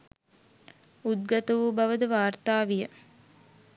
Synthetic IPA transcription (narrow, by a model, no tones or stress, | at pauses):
ud̪̚ɡɐt̪əʋubɐʋəd̪əʋaːrt̪aːʋijə